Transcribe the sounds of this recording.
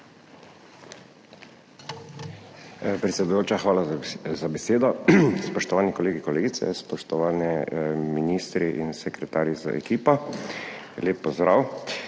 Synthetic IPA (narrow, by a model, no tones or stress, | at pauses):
pɾɛt̪sʲɛd̪ujoːt͡ʃaxʋaːlazabɛseːd̪ɔspɔʃt̪ɔʋaːnikɔleːɡikɔleːɡit̪sɛ̰spɔʃt̪ɔʋaːnɛminiːst̪ɾiʔinsɛkɾɛt̪aːɾjiza̰ʔɛ̰kiːpɔ | leːpːɔzd̪ɾaw